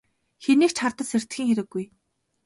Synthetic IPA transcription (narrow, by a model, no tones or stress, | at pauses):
xeniːkt͡ɕʰχart̪ə̆ɮser̥t̪xiːŋxeɾɘ̆ɡːuj